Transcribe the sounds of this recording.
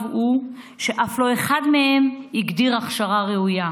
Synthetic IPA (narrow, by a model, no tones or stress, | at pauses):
vu | ʃe̞ʔaflo̞e̞χad̪me̞e̞miɡd̪iʁaχʃaʁaʁeuja